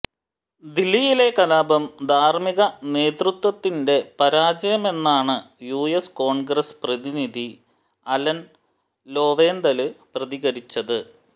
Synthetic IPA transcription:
d̪ilːijile̞kɐlaːbɐmd̪ʱaːrmiɣɐne̞ːt̪rut̪wɐt̪ːinde̞pɐɾaːd͡ʑɐjɐme̞nːaːɳɨ | juːjesko̞ːɳɡɾesprɐðiniði | ɐlɐn | lo̞ːʋeːnd̪ɐlɨprɐðiɣɐɾit͡ɕːɐðɨ

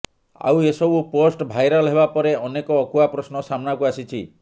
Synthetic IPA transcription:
a̰wesɔbuposʈbʱajɾalɦebapɔɾeɔnekɔːkuapɾɔsnɔsamɔnakuasit͡ʃʰi

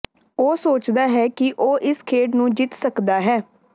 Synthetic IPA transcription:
oːsoːt͡ʃd̪aːɦɛːkɪʔoːʔɪskʰeːɖnũːd͡ʒɪt̪səkd̪aːɦɛː

